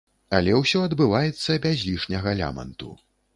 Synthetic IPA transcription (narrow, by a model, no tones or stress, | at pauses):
ɐlʲɛwsʲɔɐd̪bɨvajɛt̪sːɐbʲazʲlʲiʂnʲɐɣɐlʲa̰mɐ̰nt̪ṵ